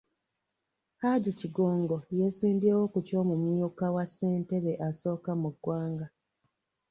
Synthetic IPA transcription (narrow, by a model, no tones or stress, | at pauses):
haɟiciɡo̞ːŋɡo̞je̞siːmbiewo̞kuco̞ːmumijukawasːe̞ːnte̞βe̞ʔaso̞ːkamuɡwaːŋɡa